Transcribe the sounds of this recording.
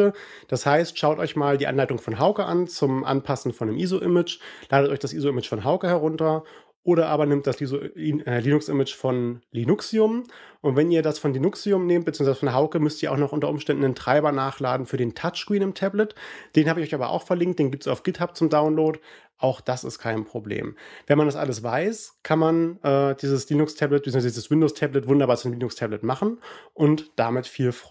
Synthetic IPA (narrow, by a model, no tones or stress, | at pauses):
ə | d̥ashaɪstʃaʊtʔɔʏçmaːldiːʔa̰nlaɪtʊŋfɔnɦaʊkəʔa̰nt͡sʊmʔa̰npʰasn̩fɔndemʔiːzoʔɪmɪt͡ʃlaːɾətɔʏçd̥asʔiːzoɪmɪt͡ʃfɔnɦaʊkəhɛʁʊntɐ | ʔoːɾɐʔaːbɐnɪmtd̥asizɛliːnʊksʔɪmɪt͡ʃfɔnlinʊksiʊmʔʊntv̥ɛniːɐdasfɔnlinʊksiʊmneːmt̚b̥ət͡siːŋzvaɪzəfɔnɦaʊkəmʏstiɐaʊxnɔχʔʊntɐʔʊmʃtɛndn̩dentʁ̥aɪbɐnaːχlaːdn̩fyːɐdeːntʰat͡ʃkw̥iːnɪmtʰɛblətd̥eːnhaːbəɪçʔɔçaːbɐ̰ʔa̰ʊxfɛɐlɪŋkt̚d̥eːnɡiːptsaʊfɡ̥ɪthap̚t͡sʊmdaʊnloːt | ʔaʊxd̥asɪ̰stkʰaɪnpʁ̥oblḛːmvɛnmandasʔa̰ləsvaɪskʰanmanʔɛːd̥iːzəsliːnʊkstʰɛblɛt̚ɪːoŋvazdiːzəswɪndoːstʰɛblətvʊndɐbaːɐt͡sʊnmliːnʊkstʰɛblətmaχn̩ʔʊntd̥amɪtfiːlf